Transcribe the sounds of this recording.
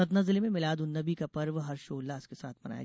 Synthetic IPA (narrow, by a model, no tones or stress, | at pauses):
ɐt̪nɐzlemẽmɪlaːd̪ʊnːɐbikapɐɾʋɦɐɾʃoːlːaːskesa̰ːt̪̚ʰmɐna̰ːj̰